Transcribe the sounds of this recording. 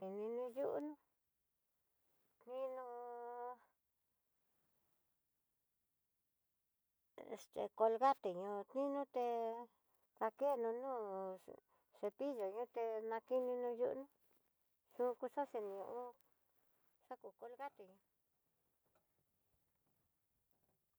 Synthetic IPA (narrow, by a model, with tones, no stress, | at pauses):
ki˨nĩ˧nũ˧ju˦ʔṵ˦nũ˧ | t̪nĩ˦nũ˧˨ | ʂt̪ḛ˧ko˧lɣa˦t̪e˨ɲũ˧t̪nĩ˦nũ˦t̪e˧ | ða˧ke˦˨nũ˧nũː˦˨ | ʂe˧pi˦ʒo˨ɲũ˦t̪e˧nã˧ki˦nĩ˧nũ˧jṵ˦ʔnũ˦ | sũ˧ku˧ʂo˦se˧nĩ˨ɲũ˧ʔũ˦ | ʂa˦ku˧ko˧lɣa˦t̪e˨ɲũ˧